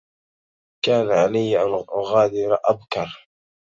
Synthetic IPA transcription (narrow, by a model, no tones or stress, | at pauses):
kaːnaʕalajːʔanɣaːd̪ɪɾʔabkɑɾˤ